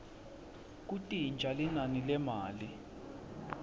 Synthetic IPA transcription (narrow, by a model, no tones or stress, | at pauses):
k̬utʼind͡ʒʱalinanilɛmaːli